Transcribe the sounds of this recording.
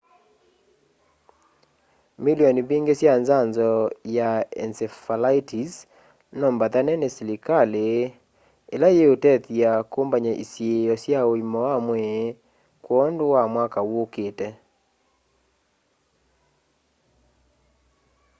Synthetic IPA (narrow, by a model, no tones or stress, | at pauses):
miliɔnibiŋɡesjanzanzɔjaɛ̰nsɛfalaitʰis | nɔmbatanɛnesilikale | elajeotɛtiakombaɲaʔḭsjejɔsjaoimɔwamwɛ | kwɔondowamwakawoketɛ